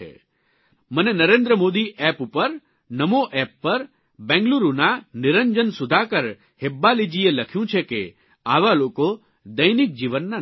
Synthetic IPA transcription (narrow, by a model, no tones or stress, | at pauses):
ḛ | mənenəɾẽnd̪ɾəmod̪iʔɛpupəɾ | nəmoʔɛpːəɾ | bɛ̃ŋɡluɾunanɪɾəɲd͡ʒənsʊd̪ʱakəɾ | hebːalid͡ʒieləkʰjũt͡ʃʰeke | aʋaloko | d̪əjnik̚d͡ʒiʋənːa